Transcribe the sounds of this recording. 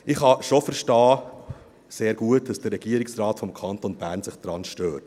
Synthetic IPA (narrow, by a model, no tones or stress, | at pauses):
ɪχhɑʃofəɾʃtɑː | seːɾɡ̥uətd̥ɑsd̥ərːɛɡ̥iəɾɪksrɑːtfɔmkʰɑntonb̥æːɾnsɪχd̥ɾɑnʃtøːt